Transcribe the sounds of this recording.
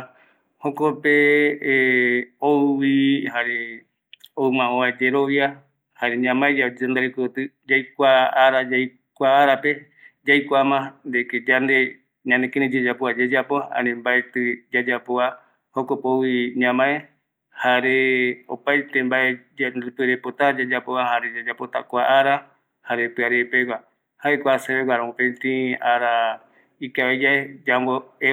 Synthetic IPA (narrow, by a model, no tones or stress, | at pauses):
hokope | owihaɾe | oɨmãõad͡ʒeɾoβja | haɾeɲãmãed͡ʒad͡ʒend̪aɾekt̪ɨ | d͡ʒajkʷaaɾad͡ʒaj | kʷaaɾape | d͡ʒajkʷamãnd̪eked͡ʒand̪e | ɲãnd̪ekẽɾĩd͡ʒed͡ʒapoad͡ʒed͡ʒapoã̰nẽmbaet̪ɨd͡ʒad͡ʒapoa | hokopowiɲãmãe | haɾeopajt̪embaeaɾɨpɨɾepot̪ad͡ʒad͡ʒapoβahaɾed͡ʒad͡ʒapot̪a̰kʷaʔaɾa | haɾepɨaɾepewa | haekʷaseβeɡʷaɾãõpẽt̪ĩaɾa | ikaβed͡ʒaed͡ʒaŋɡoe